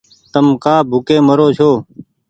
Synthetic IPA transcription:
t̪əmkaːbʱʊkeːməɾoːt͡ʃʰoː

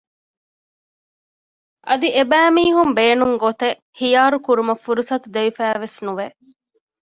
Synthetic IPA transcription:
ʔɐd̪iʔebæːmiːɦumbeːnuŋɡot̪e | hijaːɾukuɾumɐfuɾusɐt̪ud̪eʋifæːʋesnuʋe

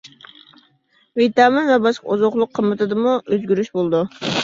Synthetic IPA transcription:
vit̪ɑmɨvɛbɑʃqozoχlˠʊqʰːəmːɨt̪ʰɨd̪ɨmuøzɡʲyɾyʃbolˠd̪u

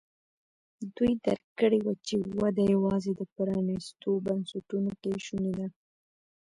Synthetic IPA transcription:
d̪ujd̪a̰ɾkəɽewat͡ʃewad̪ajawɑzed̪əpəɾɑnist̪obansaʈunokeʃuned̪a

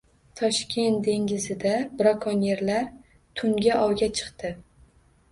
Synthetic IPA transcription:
t̪ʰɒʃkʲʰe̞nt̪d̪e̞ŋɡʲɪzɪd̪abɾɒkʰɒnje̞ɾlaɾ | t̪ʰʊŋɡʲaʔɒwɡʲat͡ʃʰɨ̥qt̪ɪ

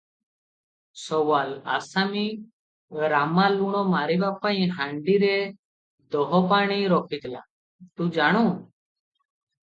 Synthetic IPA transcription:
sɔʋala̰sami | ɾamaluɽ̃ɔmaɾibapaĩɦãɳɖiɾe | d̪ɔɦɔpaɽ̃iɾɔkit̪la̰ | t̪ũd͡zaɽ̃uː

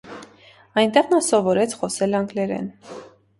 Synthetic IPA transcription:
ɑjnt̪ɛʁnɑsɔvɔɾɛt͡sʰχɔsɛlɑŋɡlɛɾɛ̰n

